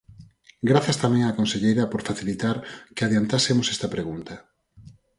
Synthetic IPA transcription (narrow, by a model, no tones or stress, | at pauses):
ɡɾaθjɐst̪amɛ̃ŋaːkõnseʎejɾɐpoɾfaθilit̪aɾkeaðjant̪asemosɛst̪ɐpɾeɣunt̪ɐ